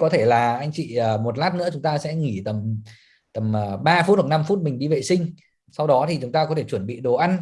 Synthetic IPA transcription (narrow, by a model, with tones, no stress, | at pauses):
kɔ˨˦t̪ʰe˧˩laː˨˩ʔa˧jŋ̟t͡ɕḭ˧˨əː˨˩mo˨˩t̚laː˦˥t̚nɨ̰˧˥əʊ˨˦ŋ͡mt̪aː˧sɛ̰˧˥ŋi˧˩t̪ə˨˩m | t̪ə˨˩mː˨˩ɓaː˧fu˦˥t̚ə˨˩na˧mfu˦˥t̚mï˨˩ŋ̟ɗi˧vḛ˨sï˧ŋ̟ | sa˧wɗɔ˨˦t̪ʰi˨˩t͡ɕʊ˨˦ŋ͡mt̪aː˧kɔ˨˦t̪ʰe˧˩t͡ɕwə˧˩nɓḭ˧˨ɗo˨˩ʔa˧n